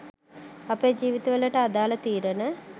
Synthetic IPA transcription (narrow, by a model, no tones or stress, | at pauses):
ɐped͡ʒiːʋit̪ɐʋələʈəad̪aːlət̪iːɾənə